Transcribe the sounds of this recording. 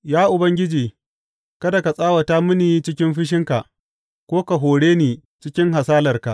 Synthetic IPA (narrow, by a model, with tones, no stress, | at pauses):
jaː˦ʔʊ˨bɐ˦ŋɡʲɪ˦d͡ʒiː˨ | kɐ˦da˨ka˨sʼaː˦wa˨ta˦mʊ˦niː˨t͡ʃɪ˦kʲɪ˦mɸɪ˦ʃ̬ɪ˦ŋka˨ʔ | kʷoː˦ka˨ɦoː˨ɽeː˦niː˨ | t͡ʃɪ˦kʲɪ˦ŋɦa˨saː˦lɐ˨rka˨ʔ